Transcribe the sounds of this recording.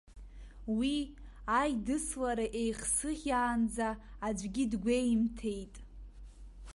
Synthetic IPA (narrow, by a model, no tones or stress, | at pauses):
wiajdɨslaɾaʔejχsɨχʲaːnd͡zaːd͡ʒʷɡʲidɡʷejmtʰe̞jtʼ